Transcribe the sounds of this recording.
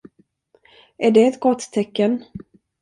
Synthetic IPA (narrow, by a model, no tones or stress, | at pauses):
æɖɛːt̪ɡɔt̪ːʰɛkːən